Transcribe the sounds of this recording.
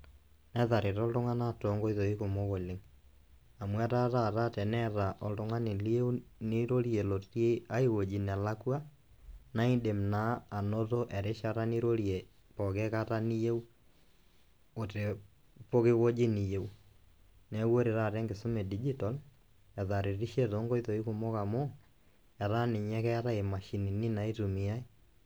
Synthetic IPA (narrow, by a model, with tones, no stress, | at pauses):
nɛ˦ða˨ɾe˨ɾɔ˦ldo˦ŋa˦na˦tɔ˨ŋɡɔ˦i˦ðo˨i˦ko˨mo˦ɣo˨lɪ˦ŋ | a˨mwɛ˦ta˦ta˦˨ɾa˦tɛ˨nɛ˦ða˨ʔɔ˨ldo˦ŋa˦ne˨li˦e˦u˦nɪ˦ɾo˦ɾie˨lo˨tje˦a˦i˦ɣo˨d͡ʒi˨na˨la˦kwa˦ | na˦i˦de˨mna˦a˨no˦to˦ʔɛ˨ɾe˦ʃa˦ɾa˦ni˦ɾo˦ɾje˨ | pɔ˨kɛ˦kata˦ni˦je˦u˦ | o˨te˨ | po˦ɣe˦ɣo˦d͡ʒi˦ni˨je˦u˦ | nɛ˦wo˦ɾe˨ɾa˨ɾɛ˦ŋɡe˨so˦mɛ˨di˦d͡ʒi˦ta˨l | ɛ˨ða˨ɾe˨ɾi˦ʃɛ˦ðo˦ŋɡɔ˦i˦ðo˨i˦ku˨mo˦ka˨mo˦ | ɛ˨ɾa˦ne˨ɲɛ˦kɛ˦a˦ɾa˦e˨ma˨ʃi˨ni˨ni˦na˨i˦tu˨mi˦a˦i˦